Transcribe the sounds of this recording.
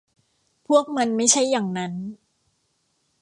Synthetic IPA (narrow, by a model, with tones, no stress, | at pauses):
pʰu˥˩ək̚ma˧nma˥˩jt͡ɕʰa˥˩jːaː˨˩ŋna˦˥n